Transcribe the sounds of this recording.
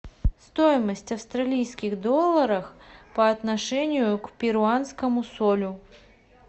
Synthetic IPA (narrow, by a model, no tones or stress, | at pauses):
st̪ojɪməsʲtʲɐfst̪ɾɐlʲijskʲɪɣd̪olˠːəɾəxpəɐt̪nɐʂɛnʲɪjʊkpʲɪɾʊanskəmʊsolʲʊ